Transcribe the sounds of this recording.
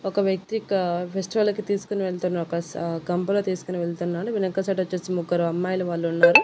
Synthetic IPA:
ɔkɐʋjɐk̚t̪ikɐpʰesʈiʋɐlɐkit̪iːsu̥kuniʋeɭt̪unːaːɾɔkɐɡɐmpɐloːt̪iːsu̥kuniʋeɭt̪unːaːɽuʋinɐŋkɐsɐʈɐɐt͡ʃːeːsimuɡɐɾɐɐmːaːjɐluʋaːɭːuunːaːɾu

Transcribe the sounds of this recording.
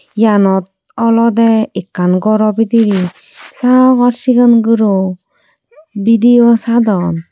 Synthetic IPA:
janɔt̪̚ | ɔlɔd̪ɛikːanɡɔɾɔbid̪iɾi | saɡɔɾsiɡɯnɡɯɾɔ | bid̪ijɔsad̪ɔn

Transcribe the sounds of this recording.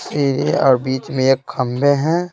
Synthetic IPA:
siːɾieɔːɾbiːt͡ʃmeekxɐmbeɦɛ̃ː

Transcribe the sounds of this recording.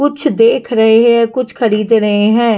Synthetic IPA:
ʊt͡ʃʰd̪eːkʰɾəɦeɦɛ̃ːkʊt͡ʃʰkʰəɾiːd̪ɾəɦeɦɛ̃ː

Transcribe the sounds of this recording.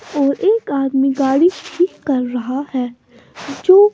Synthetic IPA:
ɔːɾʔeːkaːd̪miɡaːɽiʈʰiːkːɐɾːɐɦahɛː | d͡ʒoː

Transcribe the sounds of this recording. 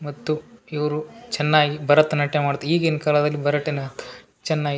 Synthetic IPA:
mɐt̪ːuiʋɐɾut͡ʃɛnːaːɡibɐɾɐt̪ːɐnɐʈːemaːɽut̪ːeiːɡɐinːɐkaːlɐd̪ɐlːibɐɾɐʈːinɐ | t͡ʃɛnːaːɡi

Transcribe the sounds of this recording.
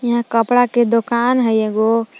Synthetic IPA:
jəɦãkəpɽaked̪okanɦəjeɡo

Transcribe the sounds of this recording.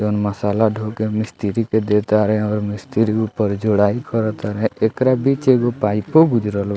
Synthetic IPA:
ɔnməsalaɖʱokemɪst̪iɾiked̪et̪aɾɦɛ̃ɔːɾmɪst̪iɾiupəɾd͡ʒoɽaikɔɾɔt̪aɾɦɛ̃ekɾabit͡ʃeɡopajpoɡʊd͡ʒɾɔl

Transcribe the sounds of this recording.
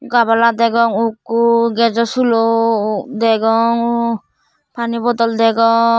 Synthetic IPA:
ɡabalad̪ɛɡɔŋukːuɡɛd͡ʒɔsulɔd̪ɛɡɔŋ | pʰanibɔd̪ɔld̪ɛɡɔ

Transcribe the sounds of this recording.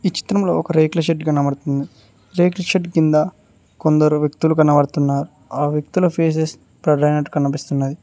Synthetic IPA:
iːt͡ʃi̥t̪ɾɐmlo̞̰ːɔkɐɾeːklɐʃeʈɡɐnɐmɐɽt̪und̪i | ɾeːklɐʃeʈkind̪ɐ | kond̪ɐɾuʋjɐkt̪ulukɐnɐʋɐɽt̪unːaːɾu | aːʋjɐk̚t̪ulɐpʰe̞ːs̬es | pɾɐd̪ɐjnɐʈkɐnːɐp̬ist̪unːɐd̪i

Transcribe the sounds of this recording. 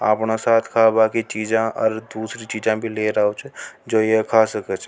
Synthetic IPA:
aːpnasaːt̪ʰkʰabaːkit͡ʃiːd͡ʒãɔːɾd̪uːsɾit͡ʃiːd͡ʒãbʱileɾaot͡ʃʰd͡ʒoːjekʰasəkət͡ʃʰ

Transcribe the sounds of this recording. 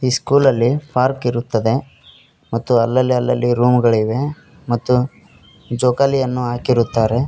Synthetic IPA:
iːskuːlɐlːipʰaːɾkiɾut̪ːɐd̪e̞ | mɐt̪ːuɐlːɐlːiɐlːɐlːiɾuːmuɡɐɭiʋe̞ | mɐt̪ːu | d͡ʒoːkalijɐnːuɦaːkiɾut̪ːaːɾe̞

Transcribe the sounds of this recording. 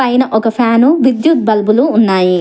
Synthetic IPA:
ɐjnɐʔɔkɐpʰaːnuʋid̪jut̪̚bɐlbuluːnːaːji

